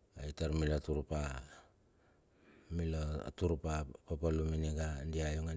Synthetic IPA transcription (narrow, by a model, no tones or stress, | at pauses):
aitaɾmilatuɾupa | milotuɾupapapaluminiɡandiajoŋa